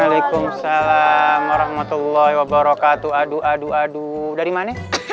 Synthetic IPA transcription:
alajkumsalamwaɾɔhmat̪ulːɔhwabaɾɔkat̪uaduʔaduadudaɾimanɛ

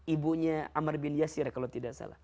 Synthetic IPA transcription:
ibuɲaamarbɪnjasɪrkalawt̪idaʔsa̰la̰h

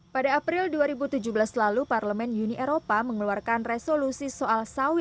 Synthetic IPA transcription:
padaːpɾɪlduaɾibut̪ud͡ʒubəlaslaluparləmɛnuniʔeɾopaməŋəluarkanresolusisoʔalsawɪ

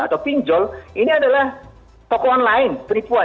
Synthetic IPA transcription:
a̰t̪awpiɲd͡ʒɔlʔiniadalah | t̪ɔkɔɔnlaɪnpəɾipua

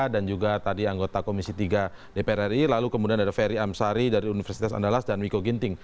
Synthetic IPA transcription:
dand͡ʒuɡat̪adiaŋɡot̪akomisit̪iɡa | depeɾɛrilalukəmudianadafɛɾiamsaɾidaɾiunifərsit̪asa̰ndalasdanwikoɡint̪ɪŋ

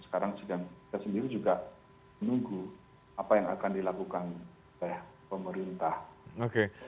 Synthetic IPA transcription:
sə̥kaɾaŋsəɡaŋki̥t̪asəndiɾid͡ʒuɡa | mənuŋɡu | apajaŋa̰kandilakukan | olɛhpəməɾint̪ahoke

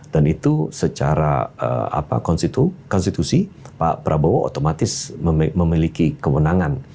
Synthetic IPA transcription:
d̥anit̪usət͡ʃaɾa̰ə̰a̰pa̰kɔnsit̪ukɔnst̪it̪usipa̰pəɾʔabowaʔo̰t̪omat̪ɪsməməmilikikəwənaŋan

